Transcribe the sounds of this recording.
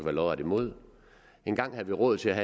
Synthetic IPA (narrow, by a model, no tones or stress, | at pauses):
ʋælɒʊæd̥imo̝ð̞̰ˠ | e̝nɡ̥ɑ̈ŋ̰hæðˠʋiʁɔ̽ðˠt͡sʰe̝læɦæ